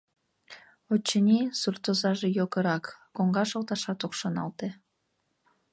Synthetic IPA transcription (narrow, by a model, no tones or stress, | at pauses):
ot͡ɕːənʲisurt̪ozɑʒejoɣəɾɑkːoŋɡɑʃolt̪ɑʃɑt̪okʃonɑ̰lt̪e